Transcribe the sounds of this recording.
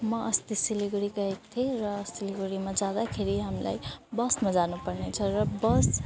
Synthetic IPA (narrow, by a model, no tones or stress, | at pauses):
mʌʔʌst̪isiliɡoɾikʌek̚t̪ʰeɾʌsiliɡoɾimad͡zad̪akʰeɾiɦamla̰jbʌsmad͡zanupʌrnet͡sʰʌrʌbʌs